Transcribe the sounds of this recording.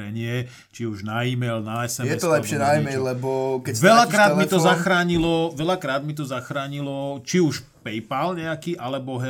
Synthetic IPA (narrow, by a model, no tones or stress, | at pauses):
ɛɲɪɛ | t͡ʃiuʒnaiːmɛlnaɛsɛmjɛtɔlɛpʃjɛnaimɛllɛbɔkɛʋɛʎakɾaːd̪mit̪ɔzaxɾaːɲilɔʋɛʎakɾaːd̪mit̪̬ɔzaxɾaːɲilɔt͡ʃiuʃpɛjpalɲɛakiːʔalɛbɔɦɛ